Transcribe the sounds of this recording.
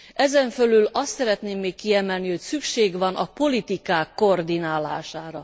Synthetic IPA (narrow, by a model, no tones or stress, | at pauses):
ʔɛzɛɱfølylɒst̪sɛɾɛt̪neːmːeːkːiɛmɛlniho̞csykʃeːɡʋɒnʔɒpo̞lit̪ikaːkːo̞rd̪inaːla̰ːʃaːɾɒ